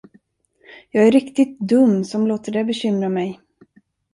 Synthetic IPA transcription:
jɑːɡæɾɪkt̪ɪt̪̚d̪ɵmːsɔmloːt̪əɖɛbɛɕʏmɾamɛj

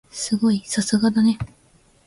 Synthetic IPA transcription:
sɨɡo̞isasɨɡad̪ane̞

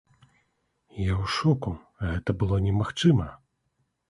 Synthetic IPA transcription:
jawʂɔku | ɣɛt̪ɐbɨlˠɔnʲɛmaxt͡ʂɨmɐ

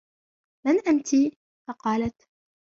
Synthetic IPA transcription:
manʔant̪iː | fɑqɑːlat̪

